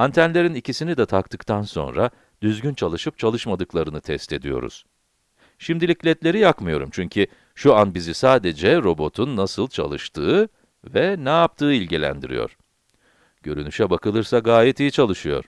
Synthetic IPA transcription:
ant̪ʰænlʲe̞ɾinicisinid̪ɛt̪ʰakt̪ɯkt̪ʰanso̞̰nɾa̰ | d̪̥yzɟynt͡ʃʰalˠɯʃɯp̚t͡ʃʰalˠɯʃmad̪ɯklˠaɾɯnɯt̪ʰɛst̪ʰe̞d̪ijo̞̰ɾṵz̥ | ʃimd̪ilʲiclʲɛt̪lʲe̞ɾijakmɯjo̞ɾumt͡ʃʰyɲcʰy | ʃuanbizisaːd̪ed͡ʒɛɾo̞bo̞t̪ʰunːasɯlˠt͡ʃʰa̰lˠɯʃt̪ʰɯː | vɛnɛjap̚t̪ʰɯːilʲɟilʲæ̰nd̪ḭɾḭjo̰ɾ̥ | ɟ̥ø̞ɾynyʃɛbakɯlˠɯɾsaɡaːjɛt̪ijit͡ʃʰalˠɯʃɯjo̞̰ɾ̥

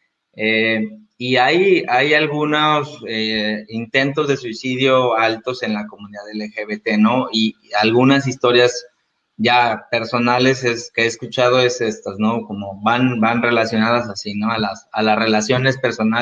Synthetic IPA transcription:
e | iajajalɣunoseint̪e̞nt̪o̞zðe̞swisiðjo̞alt̪o̞se̞nlako̞mũniðaðelexeβet̪eno̞ialɣunasist̪o̞ɾjas | ʝape̞ɾso̞nale̞seskeeːskut͡ʃaðo̞e̞se̞st̪azno̞ko̞mo̞βanbanre̞lasjo̞naðas̬asino̞alasa̰lasre̞lasjo̞ne̞spe̞ɾso̞na

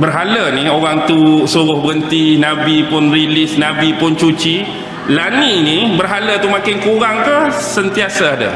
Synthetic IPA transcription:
bərɦalənioɾaŋt̪usuɾʊhbəənt̪inãbipʊnrilisnãbipʊnt͡ʃut͡ʃi | laninibərɦalət̪umakɪnkuɾaŋk̪asənt̪iasaada̰

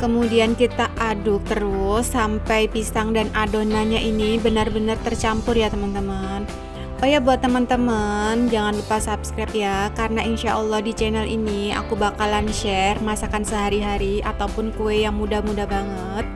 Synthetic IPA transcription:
kəmudiankit̪aʔadʊk̚t̪əɾʊsːampajpisaŋdanʔadonaɲaʔinibənərbənərt̪ərt͡ʃampʊrjat̪əmənt̪əmən | upajabuat̪ːəmənt̪əmənd͡ʒaŋanlupasapskɾap̚jakarənaʔinʃaʔɔlːɔhdit͡ʃɛnɛlʔḭnia̰kubakalanʃɛrmasakansəɦaɾiɦaɾiat̪awupʊnkuɛjaŋmudamudahbaŋət̪̚

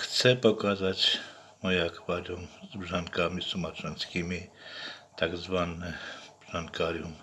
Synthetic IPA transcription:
xt͡sɛpokaːzac | mojakʋaɾumzbʒaŋkamisumat͡ʃlɛnskiːmi | t̪aɡzʋanːɛb̥ʒ̥aŋkaːɾium

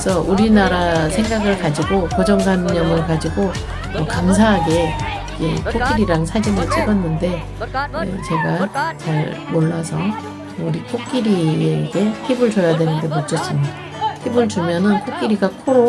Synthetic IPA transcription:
esʰʌʔuɾinaɾasʰeŋɡaɡɯɭkad͡ʑiɡokod͡ʑʌŋɡamɲʌmɯɭkad͡ʑiɡo | ʌkams̬ʰaɦaɡe̞ | id͡ʑe̞kʰok͈iɾiɾaŋsʰad͡ʑinɯɭt͡ɕ͈iɡʌnːɯnde̞ | ne̞̰t͡ɕe̞ɡat͡ɕaɭmoɭːasʰʌ | uɾikʰok͈iɾieɡe̞hibɯɭt͡ɕojadwe̞nɯnde̞mot͡ɕ͈ʌs͈imɲida | hʰibɯɭt͡ɕumjʌnɯnkʰok͈iɾiɡakʰoɾo

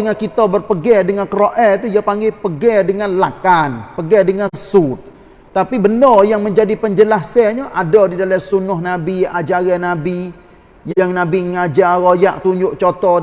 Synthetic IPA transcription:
əŋankit̪ɔbərpəɡɛdəŋankəɾoʔɛt̪ujapaŋɡepəɡɛdəŋanlakanpəɡɛdəŋasut̪̚ | t̪ːapibənɔjaŋməɲd͡ʒadipəɲd͡ʒəlahsɛɲaʔadɔdidalasunʊhnabiad͡ʒaɡɛnabi | jaŋnabiŋad͡ʒaɾojaʔt̪uɲd͡ʒʊʔt͡ʃot̪ɔ

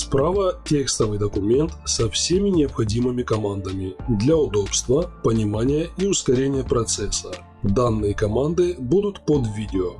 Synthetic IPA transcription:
spɾavətʲekst̪əvɨjd̪əkʊmʲe̞nt̪sɐfsʲemʲɪnʲɪəpxɐdʲimɨmʲɪkɐmand̪əmʲɪd̪lʲɐʊd̪o̞pst̪vəpənʲɪmanʲɪjəiʊskɐɾʲenʲɪjəpɾɐt̪sɛsːə | d̪anːɨjəkɐmand̪ɨbud̪ʊt̪pod̪vʲidʲɪo

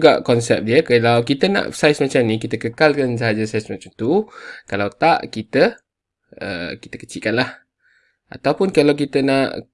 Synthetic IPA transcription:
ɡaʔkɔnsɛp̚diəkalawkit̪ənã̰ʔsajsmat͡ʃamnikit̪əkəkalkans̬əɦad͡ʒasajsmat͡ʃamt̪ukalawt̪aʔkit̪ə | ə̰kit̪əkət͡ʃiʔkanlah | ʔa̰t̪awpʊnkalawk̬it̪ənaʔ

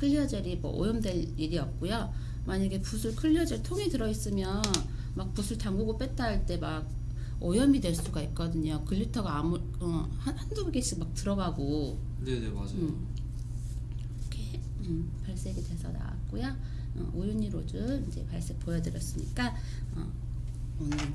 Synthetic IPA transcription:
kʰɯʎːʌd͡ʑʌɾimʌ̰ʔo̰jʌmdwe̞ɾiɾiʌt̚k͈ojo | maɲaɡe̞pusʰɯɭkʰɯʎːʌd͡ʑʌɭtʰoŋidɯɾʌis͈ɯmjʌn | mak̚pusʰuɭtaŋɡuɡop͈et͈ʰaɭt͈e̞maɡ̚ | ojʌmidwe̞ɭs͈uɡait̚k͈ʌdɯɲokɯʎːitʰʌɡaːmuɭ | ʌhanhandoɡɡeɕʰiɡmak̚tɯɾʌɡaɡo | nenea | kʰe | ɯpaɭs͈e̞ɡidwesʰʌ̰na̰wa̰t̚k͈ojʌ | ʌ̰ojuɲiɾod͡ʑɯind͡ʑe̞̰paɭs͈e̞k̚pojʌdɯɾjʌs͈ɯmɲḭk͈a | ʌ̰ | ʌnɯ

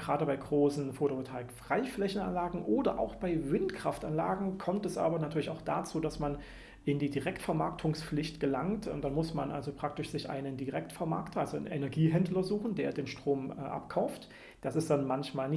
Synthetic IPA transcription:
ɡ̥ʁaːdəbaɪɡʁoːsn̩foːtootʰaːɪkfʁ̥aɪflɛçn̩a̰nlaːɡŋ̩ʔoːdɐ̰ʔa̰ʊxb̥aɪvɪntkʁ̥afta̰nlaːɡŋ̩kʰɔmtɛsʔa̰ːbɐnatʰyːɐlɪçaʊxd̥at͡suːdasman | ʔɪndiːdiʁɛktfɛɐmaɐk̚tʰʊŋsflɪçtɡ̥əlaŋtːd̥anmʊsmanʔa̰lzopʁ̥ak̚tɪʃz̥ɪçʔa̰ɪnəndiʁɛktfɛɐma̰ɐktʰɐalzonʔɛnɛɐɡiːɦɛndlɐzuːxn̩deːɐdeːnʃtʁ̥oːmɛʔa̰pkʰaʊft | d̥asɪstd̥anmançmaːlnɪ

